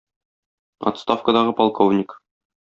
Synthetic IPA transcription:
ɒ̰t̪st̪afkəd̪ɑʁɤpɒlˠkovnʲɪk

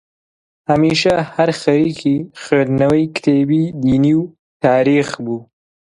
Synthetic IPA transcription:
hɐmiːʃɐhɐɾxɐɾiːkʰiːxed̪nɐwɐjkt̪ʰeːbiːd̪iːniːw | t̪ʰaːɾiːxbuː

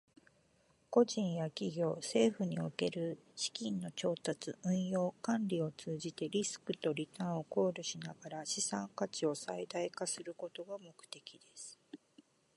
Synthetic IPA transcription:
ko̞ʑĩɰ̃jakʲiɡʲo̞ːse̞ːɸɯ̟ɲ̟io̰ke̞ɾɯ̟ɕi̥kʲĩnːo̞t͡ɕo̞ːt̪at͡sɨʔɯ̟̃ɰ̃jo̞ːkãnɾʲio̞t͡sɨːʑit̪e̞ɾʲisɨ̥kɯ̟t̪o̞ɾʲit̪ãɰ̃o̞ko̞ːɾɯ̟ɕinaɡ̥aɾaɕisãŋkat͡ɕio̞said̪aikasɨɾɯ̟ko̞t̪o̞ɡamo̞kɯ̥t̪e̞kʲid̪e̞sɨ̥

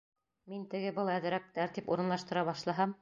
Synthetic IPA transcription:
mint̪ɘ̆ɡɘbɤlˠæðɾæk̚t̪æɾt̪ipṵɾɤ̆nlˠɑʃt̪ɤ̆ɾɑβɑʃlˠɑɦɑm

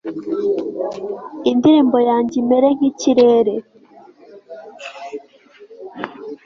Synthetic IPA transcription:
indiɾiːmbojaːɲɟimeɾeŋ̥iciɾeːɾe

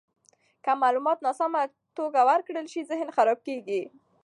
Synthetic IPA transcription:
kamɑlumɑt̪nɑsɑma | t̪oɡawaɾkɽəlʃizɪhnxaɾɑb̚keɡi

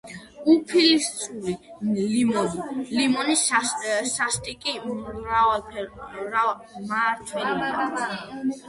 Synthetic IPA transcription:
upʰilist̪sʼulilimɔnilimɔnissast̪ʼikʼiɾa | ɾa | maɾt̪ʰwɛlimaɔ

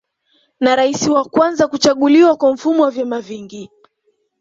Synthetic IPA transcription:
naɾaisiwakwanzakut͡ʃaɠuliwakwam̩fumɔwavjɛmaviŋɡi

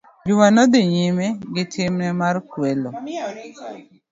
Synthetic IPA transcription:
d͡ʒʊmanɔd̪ɪɲɪmɛɡɪtʰɪmnɛmarkwɛlo

